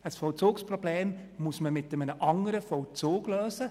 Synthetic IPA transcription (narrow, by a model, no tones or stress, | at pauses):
əsfɔwt͡soːkspɾobleːm | mʊsməmɪtəmənəʔɑŋəɾəfɔwt͡soːɡ̥løːsə